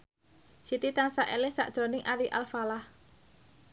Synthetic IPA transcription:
sit̪it̪aŋsaʔelɪhsa̰ʔd̥ʒ̥ɔ̤nɪŋʔaɾiʔalfalah

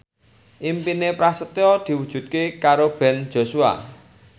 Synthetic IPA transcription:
ʔimpinepɾasət̪eɔd̪̥i̤wud̥ʒ̥ṳt̪̚kekaɾob̥ɛ̤n̥d͡ʒ̥o̤sua̰

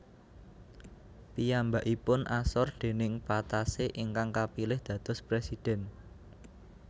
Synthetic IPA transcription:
pijambaʔipʊnʔasɔrd̪̥e̤nɪŋpat̪aseʔɪŋkaŋkapilɪhd̪̥ä̤d̪̥ɔ̤spɾesid̪̥ɛ̤n

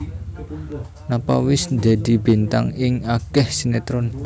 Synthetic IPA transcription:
napa̰wɪsnd̪e̤d̪̥i̤bi̤nt̪a̰ŋɪŋakɛhsinet̪ɾɔn

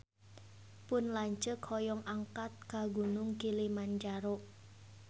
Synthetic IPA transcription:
pʊnlaɲt͡ʃəkʰɔjɔŋʔaŋkat̪̚kaɡunʊŋkilimand͡ʒaɾɔʔ

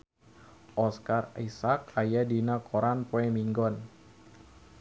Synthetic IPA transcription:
ʔɔskarisakajadinakʰoɾanpoɛmiŋɡɔn

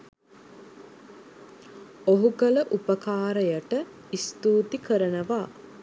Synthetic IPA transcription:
oɦuɡələʔupəkaːɾəjəʈə | ist̪uːt̪ikəɾənəʋaː

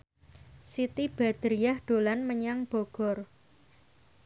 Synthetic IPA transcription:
sit̪ib̥a̤d̪̥ɾijahd̪̥olanməɲaŋb̥oɡ̥ɔ̤r

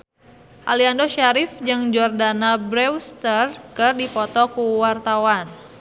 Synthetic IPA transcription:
ʔaliandoʃaɾɪfd͡ʒɨŋd͡ʒɔrdanabɾɛwst̪ərkɨrdipɔt̪ɔkuwart̪awan

